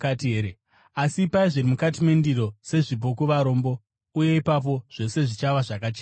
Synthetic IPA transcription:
katieɾe | asipaiʐiɾimukat̬imendiɾo̞se̞ʐibʱokuʋaɾo̞ːmbo̞ | uje̞ipap̬o̞ʐ̥e̞se̞ʐit͡ʃaʋaʐakat͡ʃeːa

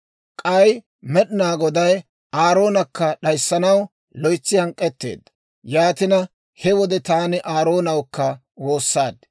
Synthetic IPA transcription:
kʼɐj | mɛɗɪnaːɡɔd̪ɐj | aːɾo̞ːnɐkːɐɗɐjsːɐnɐw | lɔjt͡sːɪhɐŋkʼːɛt̪ːḛːd̪ːɐ | jaːt̪ɪnɐ | hɛwɔd̪ɛt̪aːnɪʔaːɾo̞ːnɐwkːɐ | wo̞ːsːaːd̪

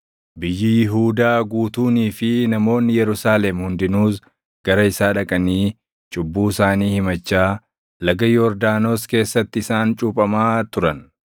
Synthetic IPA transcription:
bɪjːɪjɪɦuːd̪aːɡuːt̪uːniːfɪnɐmo̞ːnːɪjɛɾʊsaːlɛmhʊnd̪ɪnuːs | ɡ̥ɐɾɐɪsaːᶑɐkʼɐniː | t͡ʃʼʊbːuːɪsaːniːhɪmɐt͡ʃːaː | lɐɡɐjɔɾd̪aːno̞ːske̞ːsːɐt̪ːɪɪsaːnt͡ʃʼuːpʼɐmaːt̪ʊɾɐn

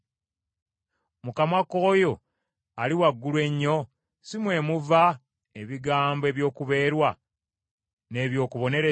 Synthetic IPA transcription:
mukamako̞ːjo | aliwaɡːulwe̞ɲːo̞ | simwe̞ːmuva | eβiɡaːmboeβjo̞ːkuβe̞ːɾwa | ne̞ːβjo̞ːkuβo̞ne̞ɾe

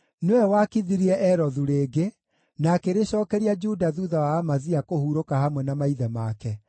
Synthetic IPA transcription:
newɛwakiðiɾiɛʔɛɾɔðuɾeːɡe | nakeɾeɕɔːkɛɾiad͡ʒudaðuðawaːmaziakohuɾokahamwɛnamaiðɛmakɛ

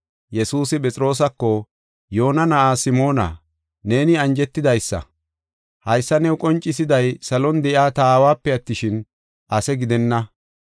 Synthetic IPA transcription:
jɛsuːsɪpʼɛt͡sʼɪɾo̞ːs̬ɐkːɔ | jo̞ːnɐnɐʔaːsɪmo̞ːnɐ̰ | ne̞ːnɪɐnd͡ʒɛt̪ːɪd̪ɐjsːɐ̰ | hɐjsːɐnɛwkʼɔnt͡ʃʼːɪs̬ɪd̪ɐjsɐlɔnd̪ɛʔɪaːt̪aːwaːpːɛɐt̪ːɪʃɪn | ʔɐsɛɡɪd̪ɛnːɐ

